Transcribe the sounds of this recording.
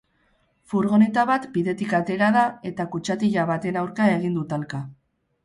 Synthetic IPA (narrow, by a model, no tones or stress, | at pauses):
fuɾɣo̞net̪aβat̪biðe̞t̪ikat̪e̞ɾaðae̞t̪akut͡ʃat̪iʎaβat̪e̞nawɾkae̞ɣ̞ind̪ut̪alka